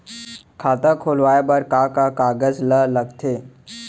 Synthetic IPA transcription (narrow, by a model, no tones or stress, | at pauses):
kʰaːt̪akʰoːlʋaːebəɾkakakaːɡəzlələɡt̪ʰeː